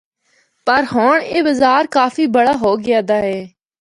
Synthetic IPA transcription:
pəɾɦoːɳeːbəzaːɾkaːfiːbəɽaːɦoːɡɪjaːd̪aːɦɛː

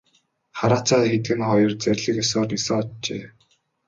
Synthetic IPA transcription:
χaɾaːt͡saːt̪xet̪ɡɘ̆nχɔjɞ̆rt͡sæɾʲɮɘ̆kœsɔːrnisɔŋɔtt͡ɕḛː

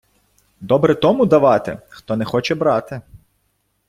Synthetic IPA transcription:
d̪ɔbɾɛt̪ɔmʊd̪ɐʋɑt̪ɪ̰xt̪ɔnɛxɔt͡ʃɛbɾɑt̪ɪ

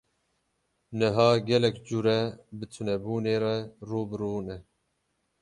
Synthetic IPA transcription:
nɨɦaːɡɛlɛkd͡ʒuɾɛbɨt̪ʰunɛbuːneːɾɛruːbɨɾuːnɛ

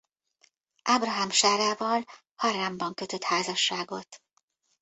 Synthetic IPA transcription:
ʔabrɒɦɒmʃaːɾaːvɒl | hɒɾaːmbɒŋkøt̪ø̞t̪haːzɒʃːaːɡo̞t̪

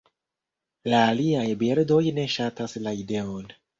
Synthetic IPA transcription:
laːliajbeɾdo̞jne̞ʃataslaide̞on

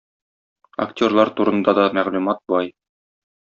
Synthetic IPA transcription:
ɐ̰ktʲo̞rlˠɑɾt̪uɾɤ̆nd̪ɑd̪ɒmæʁlʉmɑt̪̚bɑj

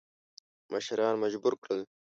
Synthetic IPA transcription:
mʔaʃɾɑːnmad͡ʑbuɾkɽəl

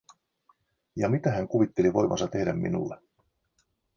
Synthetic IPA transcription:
jɑmit̪æɦæŋkuʋit̪ːe̞liʋo̞jmʔɑ̰nsɑt̪e̞hdæmːḭnṵlːe

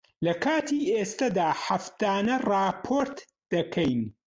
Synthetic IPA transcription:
lɐkʰaːt̪ʰiːʔeːst̪ɐd̪aːħɐft̪aːnɐrɑːpʰoːɾt̪ | d̪̥ɐkʰɐjn

